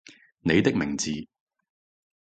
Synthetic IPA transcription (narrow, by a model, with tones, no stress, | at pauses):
ne˨˧jt̪ɪ˥k̚mɪ˨˩ŋt͡siː˨